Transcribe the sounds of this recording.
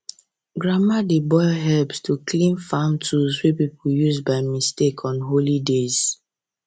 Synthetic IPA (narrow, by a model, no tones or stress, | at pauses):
ɡɹamadebɔɪɦɛlpstʰukʰlĩnfãntʰuzwɛpipʰujuzbaɪmistekʰɔ̃nɦolidez̥